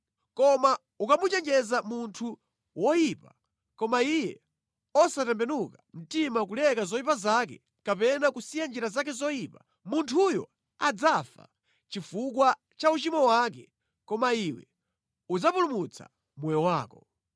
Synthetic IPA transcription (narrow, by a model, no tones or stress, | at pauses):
kɔma | ukamut͡ʃɛnd͡ʒɛzamuntʰu | wɔjipa | kɔmaijɛ̰ | ɔsatɛmbɛnukam̩timak̬ulɛkazɔjipazak̬ɛ̰ | kapɛnakusijand͡ʒiɾazak̬ɛzɔjipḁ | muntʰujɔ̰ | ad͡zafa̰ | t͡ʃifuk̬wa | t͡ʃaut͡ʃimɔwakɛ | kɔmaiwɛ̰ | ud͡zapulumut͡sʰa̰ | mɛjɔwaːkɔ